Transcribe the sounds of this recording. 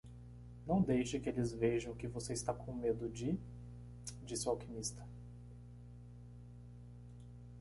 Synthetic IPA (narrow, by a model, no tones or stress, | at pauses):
nɐ̃w̃d̪ejʃɪkɪelɪzveʒɐ̃w̃kɪvoseɪst̪akõmed̪ʊd͡ʒɪ | d͡ʒisɪwawkimist̪ɐ